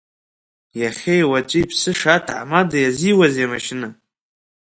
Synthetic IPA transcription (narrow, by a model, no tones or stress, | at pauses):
jaχʲejwat͡ʃʷʼipʰsɨʂatʰʕa̰madajaziwazjamaʃɪnɨ